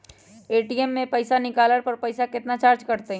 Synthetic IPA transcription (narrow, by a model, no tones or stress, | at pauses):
eːʈiɛmːẽpɐɪsanɪkaːləɽpɐɾpɐɪsakɪt̪nat͡ʃaːɾd͡ʒkɐɾt̪eɦ